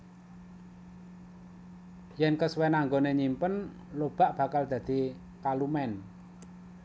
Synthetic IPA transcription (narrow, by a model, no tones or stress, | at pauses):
jɛnkəswɛnaŋɡoneɲimpən | lob̥a̤ʔb̥ä̤kald̪̥ä̤d̪̥i̤ | kalumɛn